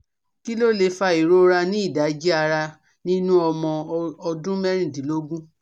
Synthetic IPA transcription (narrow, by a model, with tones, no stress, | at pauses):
ki˦lo˦le˧fa˧i˨ɾo˦ɾa˧nĩ˦i˦˨da˨˦d͡ʒi˦a˧ɾa˧ | nĩ˦nũ˦ɔ˧mɔ̃˧ɔ˧dũ˦mɛ˦ɾ̃ĩ˦˨dĩ˨˦lo˦ɡũ˦